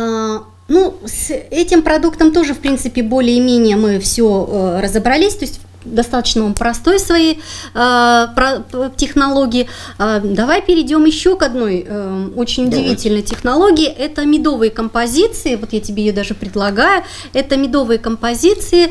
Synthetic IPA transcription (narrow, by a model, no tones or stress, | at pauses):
nusɛtʲɪmpɾɐd̪ukt̪əmt̪o̞ʐɨfpɾʲint̪sɨpʲɪbo̞lʲɪɪmʲenʲɪjəmɨfsʲoərəzəbɾɐlʲisʲt̪o̞ɪsʲtʲ | d̪ɐst̪at̪ə̥t͡ɕnəvɐmpɾɐst̪o̞jsvɐji | pɾɐtʲɪxnɐlˠo̞ɡʲɪɪ | d̪ɐvajpʲɪɾʲɪdʲo̞mjɪɕːo̞kɐd̪no̞jo̞t͡ɕɪnʲʊdʲɪvʲitʲɪlʲnəjətʲɪxnɐlˠo̞ɡʲɪɪʔɛt̪əmʲɪd̪o̞vɨjəkəmpɐzʲit̪sɨɪvo̞t̪jatʲɪbʲeɪjod̪aʐɨpɾʲɪd̪lˠɐɡajʊ | ɛt̪əmʲɪd̪o̞vɨjəkəmpɐzʲit̪sɨɪ